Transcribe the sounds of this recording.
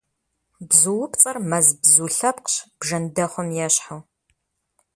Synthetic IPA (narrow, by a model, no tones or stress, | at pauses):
bzuwʊpt͡sʼɐrmɐzbzuːɬɐpqɕb̥ʒɐndɐχʷɔmjɛɕħaw